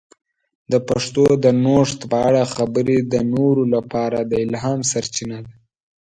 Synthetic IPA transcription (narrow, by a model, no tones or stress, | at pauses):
d̪əpaʂt̪od̪ənoʂt̪pəaɽaxabəɾed̪ənoɾolapɑɾad̪əɪlɦɑmsaɾt͡ʃinad̪a